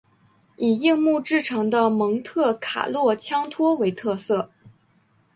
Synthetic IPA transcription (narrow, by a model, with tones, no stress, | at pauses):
i˨˩i˥˧ŋmu˥˧ʈ͡ʂɻ̩˥˩ʈ͡ʂʰɤ˧˥ŋd̪ə˧mɤ˧˥ŋt̪ʰɤ˥˩kʰa̰˨˩lwɔ˥˩t͡ɕʰjɑ˥ŋt̪ʰwɔ˥we˧˥ɪt̪ʰɤ˥˧sɤ˥˩